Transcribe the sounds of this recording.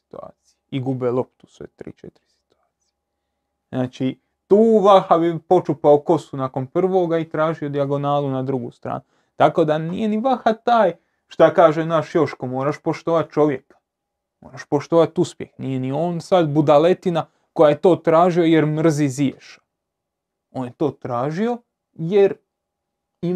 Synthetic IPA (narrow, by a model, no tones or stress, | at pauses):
si̥t̪ua̰ːt̪sijeiɡubelˠo̞p̚t̪u̥sʋḛt̪ɾḭːt͡ʃḛt̪iɾi̥si̥t̪uaːt̪si̥je | znaːt͡ʃi | t̪uːʋaxabipo̞t͡ʃupaoko̞sunako̞npr̩ʋo̞ɡait̪ɾaːʒio̞d̪iaɡo̞naːlˠunad̪ɾuɡṵst̪ɾa̰ːnu | t̪ako̞d̪anije̞niʋaxat̪aːj | ʃt̪akaːʒenaʃjo̞ʃko̞mo̞ːɾaʃpo̞ʃt̪oːʋat̪̚t͡ʃo̞ʋje̞kḁ | mo̰ːɾaʃpoʃt̪oːʋat̪uspje̞xnije̞nioːnsad̪bud̪ale̞t̪ina | ko̞jajet̪o̞ːt̪ɾaːʒio̞je̞ɾmr̩zizieʃḁ | o̞ːnjet̪o̞ːt̪ɾaːʒio̞ | jeɾ | i